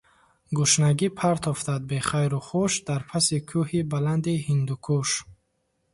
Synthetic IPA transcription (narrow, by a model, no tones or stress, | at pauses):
ɡuʃnaɡipʰaɾt̪ʰɔft̪ad̪̚beχajɾuχuʃd̪aɾpʰasikʰuhibaland̪ihind̪ukʰuʃ